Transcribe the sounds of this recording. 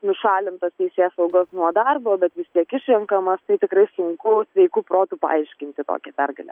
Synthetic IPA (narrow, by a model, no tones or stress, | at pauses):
nʊʃɑːlʲɪnt̪ɐst̪ʲɛɪsʲeːsɐʊɡoːsnuɔd̪ɐrboːbʲɛt̪ʋʲɪst̪ʲiɛkɪʃʲʋʲɪŋkɐmɐst̪ɐɪt̪ʲɪkɾɐɪsʊŋkʊsʲʋʲɛɪkuːproːt̪upɐ̰ɐɪʃʲkʲɪnʲt̪ʲɪt̪o̰ːkʲɛpʲɛrɡɐlʲɛ̰